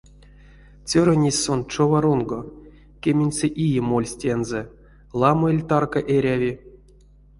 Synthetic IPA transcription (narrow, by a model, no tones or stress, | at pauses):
t͡sʲøɾanʲesʲsont͡ʂovaɾunɡo | kʲemʲenʲsʲeʔijemolʲsʲtʲenzɛ | lˠɑmoelʲt̪arkaʔeɾʲavʲi